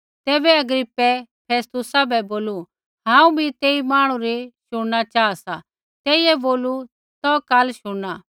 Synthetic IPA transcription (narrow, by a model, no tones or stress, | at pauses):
t̪ɛːbɛɐɡɾɪpːɛpʰeːst̪ʊsabʱɛboːlu | ɦãːũbit̪eːimaːɽ̃ũɾeʃʊɽ̃nat͡ʃaːasa | t̪ɛːiɛboːlu | t̪ɔkaːlʃʊɽaː